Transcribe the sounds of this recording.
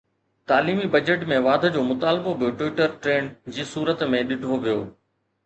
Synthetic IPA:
t̪aːliːmibɐd͡ʑəʈmẽʋaːd̪ʱə̆d͡ʑoːmʊt̪aːlbobʱijoʈʋɪʈəɾʈɾeːnd͡ʑiːsuːɾət̪mẽɗɪɖʱoʋijoː

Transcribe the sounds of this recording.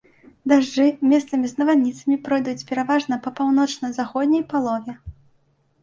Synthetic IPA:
d̪aʐd͡ʐɨmʲɛst̪sɐmʲiznɐvad̪nʲit̪sɐmʲipɾɔjd̪ut͡sʲpʲɛɾavaʐnɐpɐpawnɔt͡ʂnɐzaxɔd̪ʲnʲɐjpalˠɔvʲɛ

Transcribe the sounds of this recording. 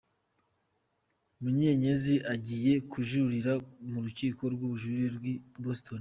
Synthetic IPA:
muɲeɲe̞ziʔaɟije̞kʰuʒuɾiɾamuɾuciːko̞ɾɡuβuʒuɾiɾɡwiboston

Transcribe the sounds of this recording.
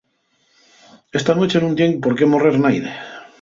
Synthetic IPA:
est̪anot͡ʃe̞nũnt̪jeŋpoɾkemoreɾnajðe

